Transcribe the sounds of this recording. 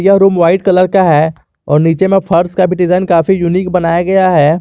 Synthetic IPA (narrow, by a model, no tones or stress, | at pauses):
jaɾuːmʋaːɪʈkɐləɾkaɦɛː | ɔːɾniːt͡ʃemẽpʰɐɾskabʱiɖɪzaːɪnkaːfijuniːk̚bɐnaːjaɡɐjaɦɛː